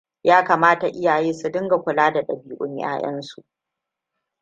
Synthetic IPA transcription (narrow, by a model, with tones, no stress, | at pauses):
jaː˦kaː˨maː˦ta˨ʔɪ˦jaː˨jeː˦su˨dɪ˦ŋɡa˨kʷʊ˨laː˦da˨ɗɐ̰˨biː˨˦ʔʷʼʊ̰˦ɲj̰a̰ː˦j̰ɐ̰˦nsu˨ʔ